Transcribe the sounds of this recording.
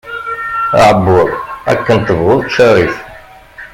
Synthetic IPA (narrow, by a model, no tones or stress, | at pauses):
ʕəbːʊðˤæ̰kːənt̪ːəvʁʊðˤt̪ʃæɾif